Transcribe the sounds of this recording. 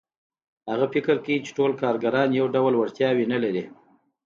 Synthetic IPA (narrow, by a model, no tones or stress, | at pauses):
haɣafɪkəɾkeɡit͡ʃe̥ʈolkɑɾɡaɾɑnjawɖawlwaɽt̪jɑwenalaɾi